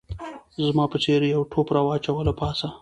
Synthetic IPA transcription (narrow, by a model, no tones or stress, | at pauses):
zmɑpət͡ʃeɾjawʈʰopɾɑwɑt͡ʃawəlapɑsa